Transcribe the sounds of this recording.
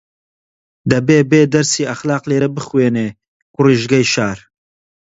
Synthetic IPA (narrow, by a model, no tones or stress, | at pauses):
d̪ɐbeːbeːd̪ɐɾsiːɐxlɑːqleːɾɐbɨxweːneː | kʊriːʒɡɐjʃaːɾ